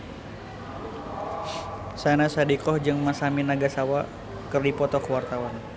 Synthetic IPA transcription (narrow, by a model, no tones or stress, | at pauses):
sanasadikɔhd͡ʒɨŋmasaminaɡasawa | kɨrdipɔt̪ɔkəwart̪awan